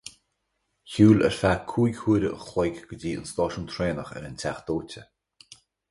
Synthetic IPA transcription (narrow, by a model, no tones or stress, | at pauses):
çuːlɛ̰ɹfakʰuːjɡhʰuːɾəʔə̰xlejkɡ̥ədiːə̰nst̪ɔːʃənt̪ʰɾeːnəxɛ̰ɾəntʰaxd̪̥oːtə